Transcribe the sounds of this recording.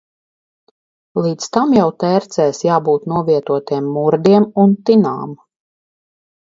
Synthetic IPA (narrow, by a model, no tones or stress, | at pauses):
lˠiːt̪st̪amjawt̪ɛːɾt̪sɛːsjaːbuːt̪nuɔviɛt̪uɔt̪iɛmːuɾd̪iɛmunt̪ina̰ːm